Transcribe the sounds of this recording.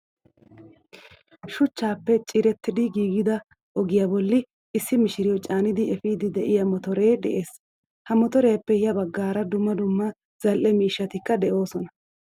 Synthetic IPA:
ʃʊt͡ʃːaːpːɛt͡ʃʼɪɾɛt̪ːɪd̪ɪɡiːɡɪd̪ɐ | ʔɔɡɪjabɔlːɪ | ʔɪsːɪmɪʃɪɾɪjɔt͡ʃʼaːnɪd̪ɪɛfiːd̪ɪd̪ɛʔɪjɐmɔt̪ɔɾe̞ːd̪ɛʔe̞ːs | hɐmɔt̪ɔɾejɐpːɛjɐbɐɡːaːɾɐd̪ʊmːɐd̪ʊmːɐ | z̥ɐlʔɛmiːʃːɐt̪ɪkːɐd̪ɛʔo̞ːsɔnɐ

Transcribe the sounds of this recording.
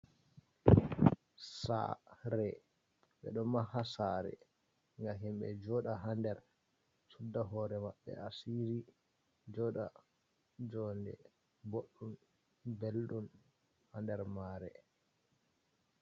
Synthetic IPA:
sa̰ɾɛ | ɓɛ̰ɗɔmahasaɾɛ̰ | ŋɡaɦimɓɛ̰d͡ʒɔɗaɦandɛɾ | sudːaɦɔɾɛmaɓːɛ̰asiɾi | d͡ʒɔɗa | d͡ʒɔndɛ̰ | boɗːum | belɗum | handɛɾmaːɾɛ

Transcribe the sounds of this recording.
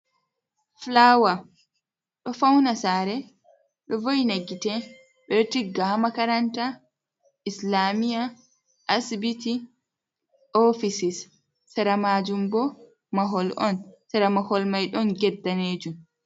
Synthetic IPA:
flawa | ɗɔfawnasaɾɛ | ɗɔvojneɡːitɛ | ɓɛɾtiɡaːmakaɾanta | islaːmija | ʔasbiti | ofisisː | ɛɾamaːd͡ʒumbɔ | maɦɔlʔɔ̰nsɛɾamahɔlmajɗɔnɡɛdːaneːd͡ʒum

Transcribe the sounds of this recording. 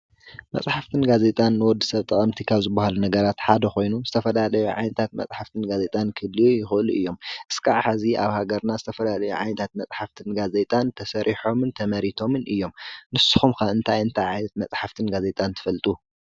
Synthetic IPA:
mɐ̰t͡sʼħaft̪ʰɨnɡaze̞t̪ʼanːwɔd̪ːisɐβt̪ʼɐχʼɐmt̪ʰikʰaβzɨbːahalunɐɡɐɾat̪ħad̪ɐxo̞jnuzɨt̪ʰɐfɐlalɐjuʕa̰jnɐt̪ʰat̪̚mɐ̰t͡sʼħaft̪ʰɨnɡazet̪ʼankʰɨlːijujɪxɨʔluʔɨjːo̞mʔɨskʰaʕħaziʔaβhaɡɐɾnazɨt̪ʰɐfɐlalɐjṵʕa̰jnɐt̪ʰat̪̚mɐt͡sʼħaft̪ʰɨnɡaze̞t̪ʼant̪ʰɐsɐɾʔiħo̞mɨnt̪ʰɐmɐɾit̪ʰo̞mɨnʔɨjːo̞mnɨsu̥xumxɐɨnt̪ʰajɨnt̪ʰajʕajnɐt̪̚mɐt͡sʼħaft̪ʰɨnɡaze̞t̪ʼant̪ʰɨ̥fɐlt̪ʼu

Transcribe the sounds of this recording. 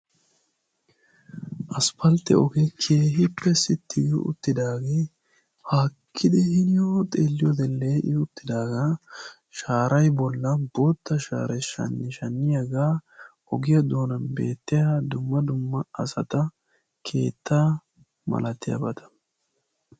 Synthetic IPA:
ʔɐspɐlt̪ɛ̰ɔɡɛkʰe̞ːɦɪpːɛsɪt̪ːɪɡɪʊ̰t̪ːɪd̪aːɡeː | haːkʰːɪd̪ɪhɪnɪjoːt̪ʼeːlːɪjɔd̪ɛlːeːʔɪʊt̪ːɪd̪aːɡa | ʃaːɾɐjbɔlːɐbo̞ːt̪ːɐʃa̰ːɾɛʃɐ̰nːɪʃɐnːɪjɐɡaː | ɔɡɪjɐd̪oːnɐnbe̞̰ːt̪ːɪjad̪ʊmːɐd̪ʊmːɐɐsɐt̪ɐ | kʰe̞̰ːt̪ʰːa | mɐ̰lɐt̪ːɪjɐ̰bɐt̪ɐ̥

